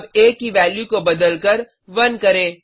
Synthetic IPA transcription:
beːkɦiʋɛːljukobɐd̪əlkəɾ | ʋɐnkɐɾẽː

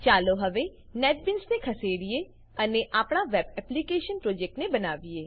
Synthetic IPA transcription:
t͡ʃaːloɦəʋenɛːʈ̚bɪnsnekʰɐseːɽieː | əneʔaːpɳaːʋɛːbɛplikeːʃənpɾoːd͡ʒɛk̚ʈnebənaːʋieː

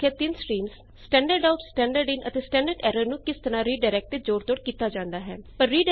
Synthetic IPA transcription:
et̪ɪnskɾiːms | sʈɛ̃ːɳɖəɾɖaːʊʈsʈɛ̃ːɳɖəɾɖɪnʔə̰t̪eːsʈɛ̃ːɳɖəɾɖɛːɾəɾnũːkɪst̪əɾãːɾiːɖaɪɾɛːk̚ʈt̪eːd͡ʒoːɽt̪oːɽkiːt̪aːd͡ʒãːnd̪aːɦɛ̰ːpəɾːiːɖ

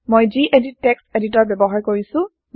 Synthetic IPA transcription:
mojziʔedit̚tːeksedit̬ɔɹbɛbɔɦajkoɹisʊ̃

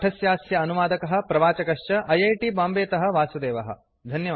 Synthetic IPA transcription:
ʈʰɐsjaːsjɐːnuʋaːd̪ɐkɐɦɐ̆pɾɐʋaːt͡ʃɐkɐʂt͡ʃɐʔɐjɐjʈibaːmbeːt̪ɐɦɐ̆ʋaːsud̪eːʋɐɦɐ̰̆ | d̪ʱɐnjɐ

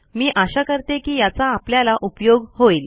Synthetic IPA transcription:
miːʔaɕakəɾt̪ekiːjat͡saːpljalaʔupjoɡhoiːl

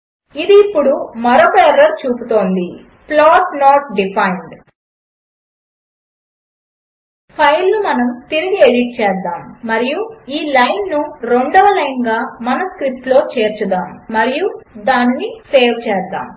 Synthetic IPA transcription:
id̪iːpːuɽumɐɾoːpɛːɾɐɾt͡ʃuːput̪o̞ːnd̪i | plaːʈnoːʈɖipʰɐjɳɖ | pʰɐjlnumɐnɐmt̪iɾiɡieɽiʈ̚t͡ʃɛːsd̪aːmːɐɾijuiːlɐjnːuɾe̞ɳɖɔʋɐlɐjnɡaːmɐnɐskɾip̚ʈ̪lo̞ːt͡ʃe̞ːɾt͡ʃud̪aːmːɐɾijud̪aːnːiseːɾt͡ʃɛːsd̪a̰ːm

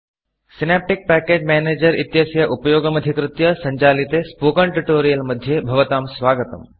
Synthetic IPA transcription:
sinaːp̚ʈik̚pæːkeːd͡ʒmɛːneːd͡ʒɐɾit̪jɐsjɐʔupɐjoːɡɐmɐd̪ʱikɾut̪jɐsɐɲt͡ʃaːlit̪eːspokɐɳʈuʈoːɾijɐlmɐd̪ʱːjebʱɐʋɐt̪aːmsʋaːɡət̪ɐ̰m

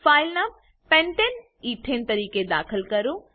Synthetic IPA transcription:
faːɪlnɐ | pẽɳʈen | iːʈʰeːnt̪ɐɾiːked̪a̰ːkʰəlkɐɾu

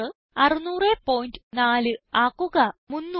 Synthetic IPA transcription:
ɨ | ɐrɨnuːrepːoːjndɨnaːlɨaːkːuɣɐmunːu

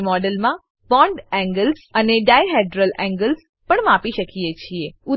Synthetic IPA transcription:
mɔɖəlmã | bɔ̃ɳɖɛ̃ŋɡəlsəneɖajɦɛɖɾəlɛ̃ŋɡəls | pəɳmapiʃəkiet͡ʃʰieʊ

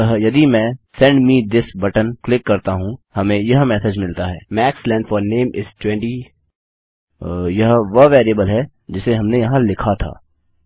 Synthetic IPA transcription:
ɦjɐd̪imɛ̃ːsɛ̃ɳɖmiːd̪ɪsbɐʈənklɪkːɐɾt̪aɦũhɐmẽjɐɦmɛːsed͡ʒmɪlt̪aɦɛːmɛːkslɛ̃ːɳɖfɔːɾneːmɪsʈwɛ̃ɳʈi | jɐɦʋɐʋeːɾiəbəlɦɛ | d͡ʒɪseɦɐmnejɐɦãlɪkʰat̪ʰa̰ː

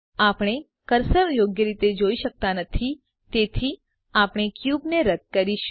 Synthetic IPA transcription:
apɽ̃e | kəɾsəɾjoɡjəɾit̪ed͡ʒoiʃək̚t̪anət̪ʰi | t̪et̪ʰi | apɽ̃ekjubneɾəd̪̚kəɾiʃ

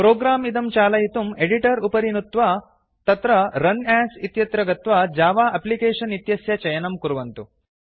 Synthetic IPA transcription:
pɾoːɡɾaːmid̪ɐmt͡ʃaːlɐjit̪umeɽiʈɐɾupɐɾinut̪ʋɐ | t̪ɐt̪ɾɐɾɐnaːsit̪jɐt̪ɾɐɡɐt̪ʋɐd͡ʒaːʋaːɐplikeːʂɐnit̪jɐsjɐt͡ʃɐjɐnɐmkuɾuʋɐnt̪u

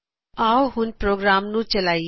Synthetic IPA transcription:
aːwɦʊnpɾoɡɾaːmnũt͡ʃɐlaːj

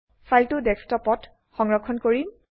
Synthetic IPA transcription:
fʰajltʊdɛkstɔpɔt | xɔŋɹɔkʰːɔnkoɹim

